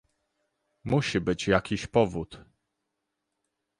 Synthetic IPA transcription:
muɕibɘt͡ɕjakʲiɕpɔvut̪

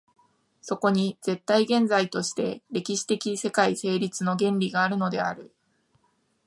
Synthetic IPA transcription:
so̞ko̞ɲ̟id͡ze̞t̪ːaiɡẽ̞nd͡zait̪o̞ɕi̥t̪e̞ɾe̞kʲiɕi̥t̪e̞kʲise̞kaise̞ːɾʲit͡sɨno̞ɡẽ̞nɾʲiɡaːɾɯ̟no̞d̪e̞̰aɾɯ̟

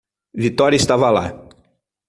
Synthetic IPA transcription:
vit̪ɔɾʲɐɪst̪avɐla̰

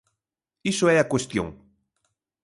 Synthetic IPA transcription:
isoɛakwest̪jo̰ŋ

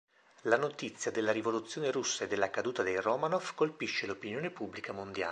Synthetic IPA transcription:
lanot̪it̪sːjad̪elːaɾivolut̪sːjoːneɾusːaed̪ːelːakad̪uːt̪ad̪ejromanofkolpiʃːelopinjoːnepubːlikamond̪ja̰ː

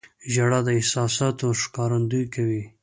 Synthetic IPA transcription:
ʒaɽad̪əɪhsɑsɑt̪oʂkɑɾand̪ujkawi

